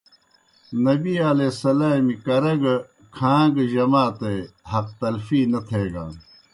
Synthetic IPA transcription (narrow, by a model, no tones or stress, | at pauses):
nɐbialeːsɐlaːmikɐɾɐɡ | kʰãːɡʑɐmaːt̪ehɐq̚t̪ɐlfiːnɐt̪ʰeːɡaː